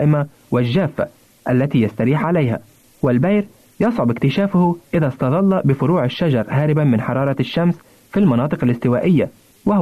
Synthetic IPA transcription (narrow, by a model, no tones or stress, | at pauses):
ʔɪma | wɪlʒaːfːa̰ | ʔalːat̪ijast̪aɾiːħʕalajɦa̰ | wɪlbajɾ | jɑsˤʕʊbɪkt̪ɪʃaːfʊhʊʔɪðast̪ɑd̪ˤɑlːɑbɪfʊɾuːʕaʃːad͡ʒɑɾˤhaːɾɪbamɪnħɑɾˤɑːɾˤɑʃːams | filmɑnɑːt̪ˤɨqalɪst̪ɪwaːʔɪjːa | wa